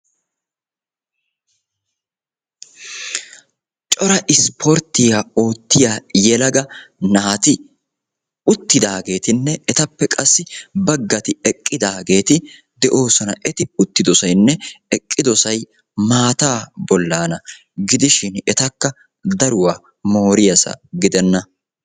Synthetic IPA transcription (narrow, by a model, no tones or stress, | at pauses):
t͡ʃʼɔɾɐʔɪspʰɔɾt̪ɪjaːo̞ːt̪ːɪjaːjɛlɐɡɐnɐhɐt̪ɪ | ʊt̪ːɪd̪aːɡe̞ːt̪ɪnːɛɛt̪ɐpːɛkʼɐsːɪbɐɡːɐt̪ɪɛkʼːɪd̪aːɡe̞ːt̪ɪ | d̪ɛʔo̞ːsɔnɐʔɛt̪ɪʊt̪ːɪd̪ɔsɐjnːɛɛkʼːɪd̪ɔsɐj | maːt̪aːbɔlːaːnɐ | ɡɪd̪ɪʃɪnɛt̪ɐkːɐ | d̪ɐɾʊwaː | mo̞ːɾɪjɐsɐ̰ɡɪd̪ɛnːɐ